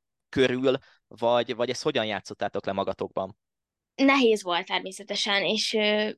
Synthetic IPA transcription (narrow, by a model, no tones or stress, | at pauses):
køɾyːl | vɒɟvɒɟɛst̪ho̞ɟɒnjaːt̪so̞t̪ːaːt̪o̞klɛmɒɡɒt̪oːɡ̚bɒn | nɛɦeːzʋo̞lt̪̚ːɛrmeːsɛt̪ɛʃɛneːʃøː